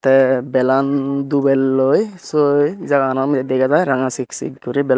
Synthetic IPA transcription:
tɛbɛlandubɛlːojsojzaɡaanamid̪ɛɡazajɾaŋasiksḭkɡɔɾibɛl

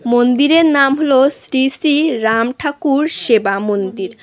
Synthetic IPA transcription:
mond̪iɾeɾnamɦolosɾisiɾamʈʰakuɾʃebamond̪iɾ

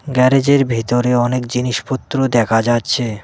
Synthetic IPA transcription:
ɡɛɾed͡ʑeɾbʱit̪oɾeɔnekd͡ʑiniʃpot̪ːɾod̪ɛkʰad͡ʑatːɕʰe

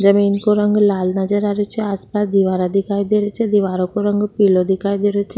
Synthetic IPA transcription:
d͡ʒəminkoɾaŋɡlalnad͡ʑaɾaɾut͡ʃʰeaspasd̪iʋaɾad̪ʱikajd̪eɾet͡ʃʰed̪iʋaɾokoɾɔŋɡpilod̪ʱikajd̪eɾot͡ʃʰe

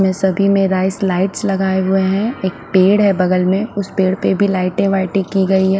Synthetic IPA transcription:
mẽsɐbʱimẽɾaːɪslaːɪʈslɐɡaːeɦʊeɦɛ̃eːk̚peːɽɦɛbɐɡəlmẽʊspeːɽpebʱilaːɪʈẽʋaːɪʈĩkiɡɐiɦɛ

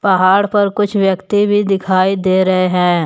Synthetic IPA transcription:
pɐɦaːɽpɐɾkʊt͡ʃʰʋjəkt̪ibʱid̪ɪkʰaːid̪eːɾɐɦeɦɛ̃ː

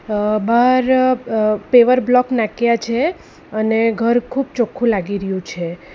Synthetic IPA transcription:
baɾ | peʋəɾblɔknakjat͡ʃʰe | əneɡʱəɾkʰub̚t͡ʃokʰũlaɡiɾəjũt͡ʃʰe

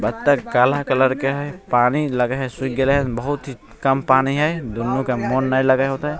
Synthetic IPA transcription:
bɐt̪t̪ːaɡaːlakɐləɾkeɦɛpaːnilɐɡeɦɛsʊkɡeleɦɛ̃bɐɦʊt̪ɦi | kɐmpaːniɦɛjd̪ʊnːukemoːnːailɐɡaɦoːt̪aɦɛ

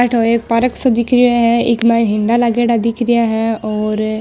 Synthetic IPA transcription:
aʈʰoːeːkpəɾəksõːd̪ɪkʰɾɪaːɦɛ̃ːɪkmɛɪnɦɪɳɖaːlaɡeːɖaːd̪ɪkʰɾɪjaːɦɛ̃ːɔːɾ

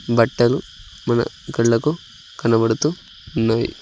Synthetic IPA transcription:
bɐʈːɐlu | mɐnɐ̰ | kɐɭːɐku | kɐnɐbɐɽut̪u | unːaːjḭ

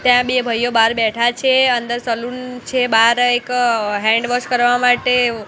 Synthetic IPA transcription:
t̪jãbebʱəjobaɾbɛʈʰat͡ʃʰeənd̪əɾsəlunt͡ʃʰebaɾekɦɛ̃ɳɖʋəʃkəɾʋamaʈe

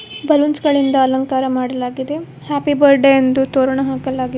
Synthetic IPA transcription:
bɐlunsɡɐɭind̪ɐːlɐŋkaːɾɐmaːɽɐlaːɡid̪e̞ | haːpibɐɾɖeend̪ut̪oːɾɐɳɐɦaːkɐlaːɡi

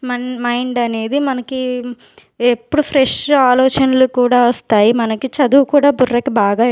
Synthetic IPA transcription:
mmɐjɳɖɐne̞ːd̪imɐnɐki | epːuɽupʰɾeʂaːlɔːt͡ʃɐnɐlukuːɽaːʋɐst̪aːjimɐnɐkit͡ʃɐd̪uːkuːɽaːburːɐkibaːɡaː

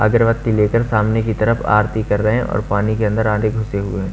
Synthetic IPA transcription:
ɐɡəɾʋət̪ːileːkəɾsaːmnekit̪ɐɾəfʰa̰ːɾt̪ikɐɾɾəɦɛ̃ɔ̰ːɾpaːnikeɐ̃nd̪əɾaːneɡʱʊseɦʊeɦɛ̃ː

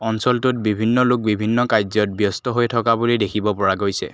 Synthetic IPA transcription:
ɔnsɔltʊt̚bibʱinːɔlʊk̚bibʱinːɔkajzɔt̚bjɔstɔɦojtʰɔkabulidekʰibɔpɔɹaɡojsɛ̰

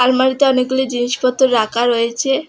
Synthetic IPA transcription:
almaɾit̪eɔneɡ̚ɡulid͡ʑiniʃpɔt̪ːoɾɾakʰaɾojet͡ɕʰe

